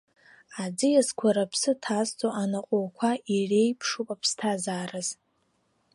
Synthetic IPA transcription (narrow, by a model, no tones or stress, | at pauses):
ad͡zɨjazkʷʰaɾapʰsɨtʰast͡sʼoʔanaqʼowkʷʰaire̞jpʰʂupʼapʰstʰazaːrɨz̥